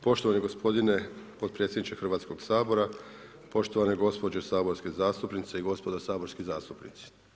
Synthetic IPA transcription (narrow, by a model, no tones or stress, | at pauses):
po̞ʃt̪oʋaniɡospʰo̞d̪ine̞po̞t̪̚pɾet̪sʲjed̪nit͡ʃexr̩ʋaːt̪koɡ̥saːbo̞ɾa | po̞ʃt̪oʋaneɡo̞spo̞d͡ʑesaːbo̞ɾskezaːst̪upnit̪seiɡo̞spo̞d̪asaːbo̞ɾskizaːst̪upnit̪si̥